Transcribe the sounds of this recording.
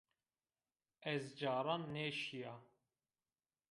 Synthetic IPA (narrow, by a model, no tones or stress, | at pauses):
ɛzd͡ʒɑːɾˤɑnːeːʃijɑ